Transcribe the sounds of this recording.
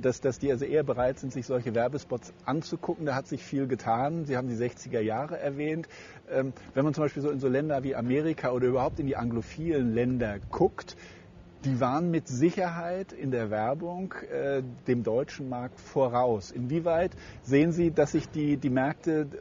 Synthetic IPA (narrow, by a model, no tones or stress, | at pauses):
d̥asd̥asd̥iːʔalzoʔeːɐbəʁaɪtz̥ɪntz̥ɪçz̥ɔlçəvɛɐbəspɔtsʔant͡sukʰʊkŋ̩daːhatz̥ɪçfiːlɡətʰaːnzihaːbm̩diːzɛçt͡sɪɡɐjaːʁəʔɛɐvɛːnt | ʔɛːmvɛnmant͡sʊmbaɪpilzoːɪnzoːlɛndɐviːʔameːʁɪkʰaʔoːɾɐʔyːbɐhaʊp̚tɪndiːʔaŋɡlofiːlənlɛndɐkʰʊkt | d̥iːvaːʁənmɪtz̥ɪçɐɦaɪtɪndeːɐvɛɐbʊŋkʔɛːd̥eːmdɔʏt͡ʃn̩maɐk̚tfoɐʁaʊsʔɪnviːvaɪtz̥eːənziːdasz̥ɪçd̥iːdiːmɛɐk̚tə